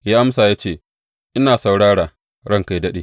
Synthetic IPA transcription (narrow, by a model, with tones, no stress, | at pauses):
jaː˦ʔa˦msaː˨jaː˦t͡ʃeː˦˨ | ʔɪ˦naː˨sa˨wɽaː˦ɽaː˨ | ɽɐ˦ŋka˦jdɐ˦ɗḛː˨